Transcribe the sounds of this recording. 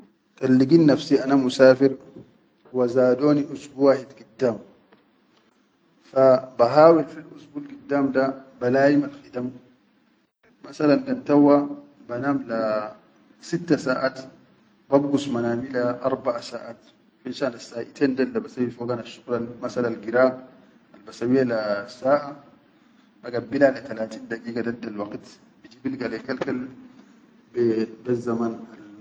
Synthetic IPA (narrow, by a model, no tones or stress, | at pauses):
t̪alːiɡiːnːafsiʔanamusaːfiɾ | wazaːdoːniʔusbuwaːhidɡidːaːm | fabaɦaːwilfilʔusbuːlɡid̪ːaːmdabalaːjimalxit̪am | asalandant̪awːa | banaːmla | sit̪ːasaːʔaːt̪ | babɡusmanaːmilaʔɑɾˤbaʔasaːʔaːt̪ | finʃaːnasːaːʔit̪eːndalːabasawːifoɡanaʃːuɣlanmasalanlɡiɾaːm | albasawijːalasːaːʔa | baɡabilalat̪alaːt̪iːnd̪aɡiːɡadadːalwɑɡt̪ | bid͡ʒiːbilɡalekalkal | bbasːamaːnal